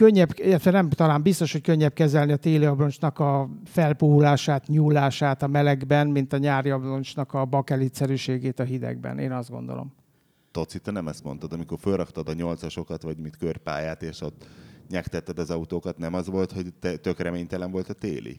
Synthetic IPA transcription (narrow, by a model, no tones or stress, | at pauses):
køɲːɛbilːɛt̪ʋɛnɛmt̪ɒlaːmbist̪o̞ʃho̞c̚køɲːɛp̚kɛzɛlniɒt̪eːliɒbro̞nt͡ʃnɒkɒfɛlpuɦulaːʃaːt̪ɲuːlːaːʃaːt̪ɒmɛlɛɡbɛnmint̪ɒɲaːɾjɒbro̞nt͡ʃnɒkɒbɒkɛlit̪sɛɾyːʃeːɡeːt̪ɒɦid̪ɛ̰ɡ̚bɛ̰neːnɒzd̪ɡo̞̰nd̪o̰lo̰m | t̪o̞t̪sit̪ːɛnɛmɛst̪mont̪ɒd̪ɒmiko̞rfølrɒkt̪ɒd̪ɒɲo̞lt̪sɒʃo̞kɒt̪ʋɒɟmit̪kørpa̰ːjaːt̪eːʃot̪ɲɛkt̪ɛt̪ːɛd̪ɒzɒut̪oːkɒt̪nɛmɒzʋo̞lt̪ho̞ɟt̪ɛt̪økrɛmeːɲt̪ɛlɛɱvo̞lt̪ɒt̪ḛːlḭ